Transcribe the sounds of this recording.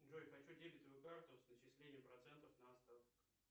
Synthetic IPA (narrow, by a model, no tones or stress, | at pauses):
ʐojxɐt͡ɕudʲelʲɪt̪ʲʋɐjukart̪ʊsnət͡ɕɪsʲlʲenʲɪjəmpɾɐt̪sɛnt̪əfnɐɐst̪a